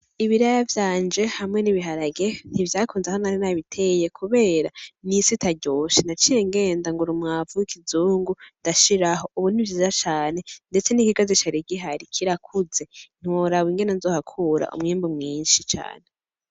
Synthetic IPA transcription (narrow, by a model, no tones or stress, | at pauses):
iβiɾajavjaːnd͡ʒe̞hamŋe̞niβiɦaɾaɡen̥ivjaːkʰuːnzehonaɾinaβitʰe̞jekʰuβe̞ːɾanisitʰaɾɟoːʃenat͡ʃijeŋɡe̞ːndaŋɡuɾumŋavuwikʰizuːŋɡundaʃiɾaɦo̞ʔuβunivziːzat͡ʃaːne̞nde̞t͡se̞nikiɡazit͡ʃaɾiɡiɦaɾikʰiɾakʰuze̞n̥uwoɾawiŋɡe̞nenzoːhakʰuɾa̰ʔṵmŋiːmbumŋiːnʃit͡ʃa̰ːne